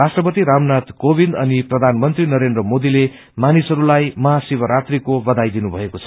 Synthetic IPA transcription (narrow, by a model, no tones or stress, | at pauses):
asʈrʌpʌt̪iɾamnat̪kobʱind̪ʌniprʌd̪ʱanmʌnt̪rinʌɾend̪rʌmod̪ile | manisʌɾulajmʌɦasibʌɾat̪rikobʌd̪ajd̪inubʱʌekot͡sʰʌ